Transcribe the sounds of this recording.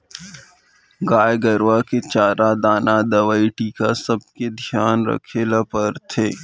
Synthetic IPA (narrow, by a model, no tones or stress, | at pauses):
ɡaːjɡəɾʋaket͡ʃaːɾad̪aːnad̪ɐʋəiʈikasɐb̚ked̪ʱjaːnɾɐ̰kʰeːlapəɾt̪ʰeː